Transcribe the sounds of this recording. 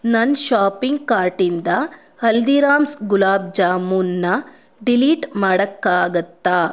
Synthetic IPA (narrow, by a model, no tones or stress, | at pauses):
nɐnʃaːpiŋɡkaːɾʈind̪ɐ | hɐld̪iːɾaːmsɡulaːb̚d͡ʒaːmunːɐ | ɖiliːʈmaːɽɐkːaːɡɐt̪ːaː